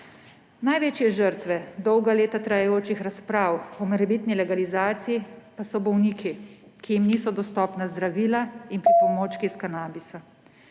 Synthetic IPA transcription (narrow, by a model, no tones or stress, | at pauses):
najʋeːt͡ʃijɛʒəɾt̪ʋɛd̪ɔwɡaleːt̪at̪ɾajɛjoːt͡ʃixɾaspɾaːwɔmɛɾɛbiːt̪nilɛɡalizaːt̪sijipasɔbɔwniːkʰikijimniːsɔd̪ɔst̪ɔːpnazd̪ɾaʋiːlainpɾipɔmoːt͡ʃkiskanaːbisa